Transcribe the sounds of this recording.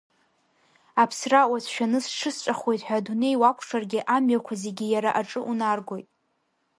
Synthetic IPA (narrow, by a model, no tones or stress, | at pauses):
apʰsrawazʰʃᶣanɨsʂɨst͡ʃʷʼaχwo̞jtʼħʷᶣadune̞jwakʷʰʂarɡʲɪʔamɥakʷʰazeɡʲɪjaɾaʔaʈ͡ʂʼɨʔunarɡʷo̞jtʼ